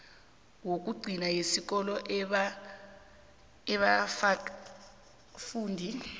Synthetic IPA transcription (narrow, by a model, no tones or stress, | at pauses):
wok̬ʼuɡ͡ǀʱinajesik̬ɔlɔʔ | ɛɓa | fuːndʱi